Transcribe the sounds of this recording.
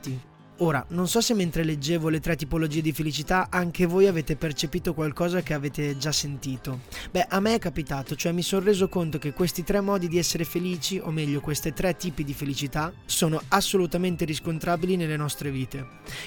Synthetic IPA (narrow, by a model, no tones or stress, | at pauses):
t̪i | oːɾa̰nonsɔsemːent̪ɾeled͡ʒːeːvolet̪ɾɛt̪ːipolod͡ʒiːed̪ifelit͡ʃit̪aʔaŋk̟evoːjaveːt̪epert͡ʃepiːt̪okwalkɔːzak̟eaveːt̪ed͡ʒasːent̪iːt̪obɛʔamːeɛkːapit̪aːt̪ot͡ʃoɛmːisonreːzokont̪ok̟ekːwest̪it̪ɾɛmːɔːd̪id̪iɛsːeɾefeliːt͡ʃiʔo̰mːɛʎːokwest̪it̪ɾɛt̪ːiːpid̪ifelit͡ʃit̪asoːnoasːolut̪ament̪eɾiskont̪ɾaːbilinelːenɔst̪ɾeviːt̪e